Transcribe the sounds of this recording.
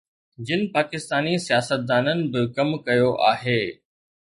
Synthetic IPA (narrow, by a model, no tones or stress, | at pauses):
d͡ʑɪnɪ̆paːkɪst̪aːnisijaːsət̪̚d̪aːnənɪ̆bɪkɐmkɐjoʔaːɦeː